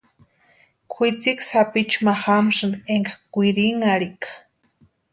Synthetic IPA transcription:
kʷʰit͡siksapit͡ʃumaxamʂɨneŋkakʷiɾiŋaɽikḁ

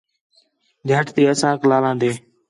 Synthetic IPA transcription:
d͡ʒʱəʈt̪eːəsãːklaːlãːnd̪eː

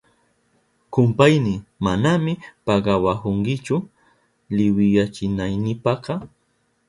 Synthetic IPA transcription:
kʊmpajnɪmanamɪpɑɢɑwahoŋkɪt͡ʃʊ | lɪwɪjat͡ʃɪnajnɪpɑqɑ

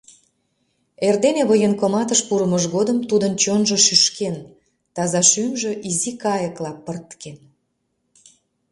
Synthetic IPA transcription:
erd̪eneβəjənkomɑt̪əʃpuɾəməʒɣod̪əmt̪ud̪ənt͡ɕonʒoʃyʃken | t̪ɑzɑʃymʒøʔizikɑjəklɑpərt̪ken

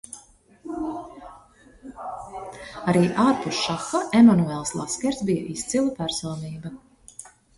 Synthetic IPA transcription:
aɾiːʔaːɾpuʃʃaxaʔemanuɛlˠslˠaskʲɛɾt̪sbijaʔist̪silˠapæɾsɔːniːbɐ

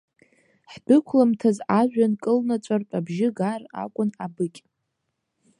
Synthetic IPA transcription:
ħbɨkʷʰlamtʰazaʒᶣankʼɨlnat͡ʃʷʼarpʼabʒɪɡara̰kʷʼʊnabɨkʲʼ

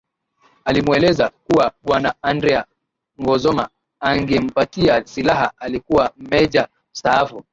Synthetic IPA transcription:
alimwɛlɛzakuwaɓwanaandɾɛa | ŋɡɔzɔma̰ | aŋɡɛm̩patiasilaɦaalikuwam̩mɛd͡ʒa | saːfu

